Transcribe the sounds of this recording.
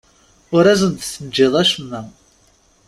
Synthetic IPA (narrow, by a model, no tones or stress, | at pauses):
ʊɾæzənt̪səd͡ʒːɪðˤæʃəmːæ